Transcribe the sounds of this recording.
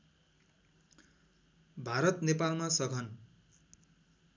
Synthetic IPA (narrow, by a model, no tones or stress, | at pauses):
bʱaɾʌt̪nepalmasʌɡʱʌn